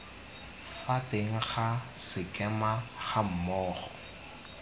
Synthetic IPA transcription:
fateŋ̩χasɪkʼɛmaχam̩mɔːχɔ

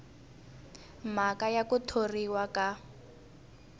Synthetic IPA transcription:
m̤akajakutʰoriwaka

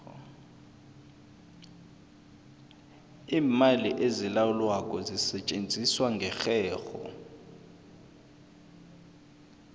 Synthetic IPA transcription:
iːmaliʔezilawulwakʼɔzisɛt͡ʃʼend͡zʱiswaŋɡʱɛxɛːxɔ̰

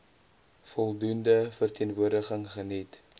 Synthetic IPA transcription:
fɔlˠdundəfərtiənvuərdəχəŋχənit

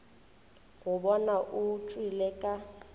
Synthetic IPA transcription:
ɣʊbɔnaʔʊt͡ʃʼwilɛkʼa

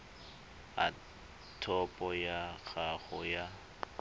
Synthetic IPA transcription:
a̰ | tʰɔpʼɔjak͡xʰaɣɔja

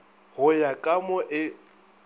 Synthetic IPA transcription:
ɣʊjakʼamɔʔɪ

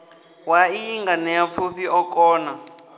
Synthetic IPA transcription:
waiiŋɡanɛafuɸiɔkʼɔːna

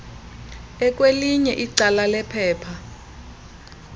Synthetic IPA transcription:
ɛk̬ʼweliɲɛʔiǀalalɛpʰɛːpʰa

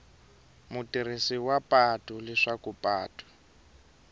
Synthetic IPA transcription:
mutirisiwapʼatulɛʂakupʼa̰ːtʰʼḁ

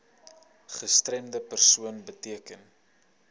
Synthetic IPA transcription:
χəstrɛmdəpərsuənbətiəkən

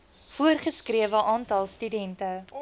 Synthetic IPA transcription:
fuərχəskriəvəʔɑːntɐlˠstydɛntə

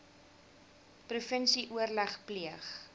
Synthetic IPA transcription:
prufənsiʔuərlæχpliəχ

